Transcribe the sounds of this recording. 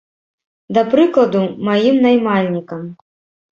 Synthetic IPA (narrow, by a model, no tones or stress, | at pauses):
d̪ɐpɾɨklˠɐd̪umajimnajmalʲnʲikɐm